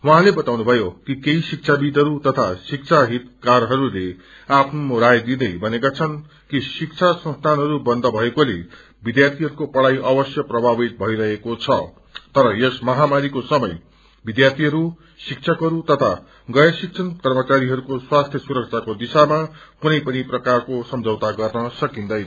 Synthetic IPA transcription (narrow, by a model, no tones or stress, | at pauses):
wɦãlebʌt̪awnubʱʌjokikeisik̚t͡sʰabid̪ʱʌɾut̪ʌt̪ʰasik̚t͡sʰaɦit̪karɦʌɾule | apʰnomoɾajd̪id̪ʌjbʱʌnekat͡sʰʌn | kisikt͡sʰasʌ̃nst̪ʰanɦʌɾubʌnd̪ʱʌbʱʌekolḛ | bid̪jart̪ʰiɦʌɾukopʌɽajʔʌbʌsjʌprʌbʱabit̪̚bʱʌiɾʌɦekot͡sʰʌ | t̪ʌɾʌjesmʌɦamaɾikosʌmʌj | bid̪jart̪ʰiɦʌɾu | sik̚t͡sʰʌkɦʌɾut̪ʌt̪ʰa | ɡʌjʌsik̚t͡sʰʌnkʌrmʌt͡saɾiɦʌɾukoswast̪ʰjʌsuɾʌk̚t͡sʰakod̪isamakunʌjpʌniprʌkarkosʌmd͡zʱʌwt̪aɡʌrnʌsʌkind̪ʌj